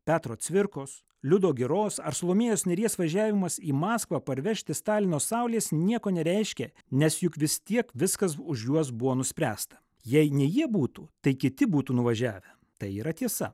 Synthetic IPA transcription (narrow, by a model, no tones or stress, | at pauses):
pʲæːt̪ɾoːt̪sʲʋʲɪɾkoːs | lʲʊd̪oːɡʲɪɾoːsɐɾsolˠoːmʲeːjoːsnʲɛɾʲiɛsʋɐʒʲæːʋʲɪmɐsiːmɑːskʋɐpɐɾʲʋʲɛʃʲt̪ʲɪst̪ɑːlʲɪnoːsɑʊlʲeːsnʲiɛkoːnʲɛɾʲɛɪʃʲkʲɛ | nʲɛsjʊkʋʲɪst̪ʲiɛkʋʲɪskɐs̬ʊʃjuɔs̬bʊʋoːnʊsʲpʲɾʲæːst̪ɐ̥ | jɛɪnʲɛjiɛbuːt̪uːt̪ɐɪkʲɪt̪ʲɪbuːt̪uːnʊʋɐʒʲæːʋʲɛ | t̪ɐɪiːɾɐt̪ʲiɛsɐ